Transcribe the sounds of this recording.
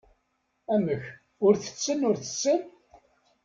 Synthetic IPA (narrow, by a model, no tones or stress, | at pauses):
æməç | ʊɾθə̥t͡sːənʊɾθə̥t͡sːən